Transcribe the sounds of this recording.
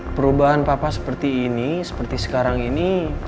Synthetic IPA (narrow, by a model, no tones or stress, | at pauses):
pəɾubaɦanpapasə̥pərt̪iːnisə̥pərt̪isə̥kaɾaŋini